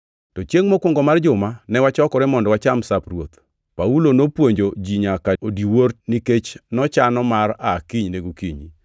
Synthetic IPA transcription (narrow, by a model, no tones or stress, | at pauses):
tɔt͡ʃjeŋmokwʊŋɡɔmard͡ʒʊmanɛwat͡ʃɔkɔɾɛmɔndwat͡ʃamsaprwot̪ | paulonopwoɲd͡ʒod͡ʒiɲakaodiworniket͡ʃnɔt͡ʃanɔmarakiɲneɡukiɲḭ